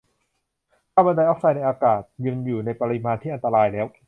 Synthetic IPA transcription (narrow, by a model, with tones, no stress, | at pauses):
t̪ʰaː˥˩ba˧daː˧jʔɔ˦˥k̚saː˧jna˧jʔaː˧kaː˨˩t̪̚jɯ˧ŋjuː˨˩na˧jpa˧ɾi˧maː˧nt̪ʰiː˥˩ʔa˧nt̪a˧ɾaː˧jlɛː˦˥w